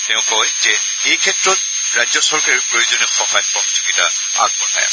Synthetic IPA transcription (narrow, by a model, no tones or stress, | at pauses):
tɛ̃ʊ̃kɔjzɛ | ejkʰɛtɹɔt̚ | ɹajzɔsɔɹkaɹipɹojozɔnɛxɔɦajpɹɔtizoɡita̰ | a̰ɡ̚bɔna̰j̰